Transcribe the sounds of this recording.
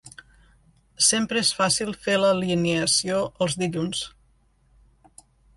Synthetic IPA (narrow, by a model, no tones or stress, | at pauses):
sempɾəesfasilˠfeləlineəsioʔəlˠzðiʎuns